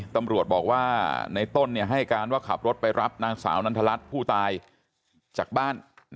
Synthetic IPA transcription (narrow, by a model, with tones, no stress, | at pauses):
t̪a˧mɾu˨˩ət̪̚bɔː˨˩k̚waː˥˩na˧jt̪o˥˩nːi˥˩əɦa˥˩ja˨˩kaː˧nwaː˥˩kʰa˨˩p̚ɾo˦˥t̪̚pa˧jɾa˦˥p̚naː˧ŋsa̰ː˩˦wna˧nt̪ʰa˧la˦˥t̪̚pʰuː˥˩t̪aː˧j | t͡ɕaː˨˩k̚baː˥˩n